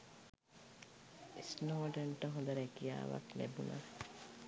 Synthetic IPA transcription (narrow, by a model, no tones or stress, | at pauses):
isnoːɖeɳʈəɦõnd̪ɐɾɛkija̰ːʋa̰knebunʔa̰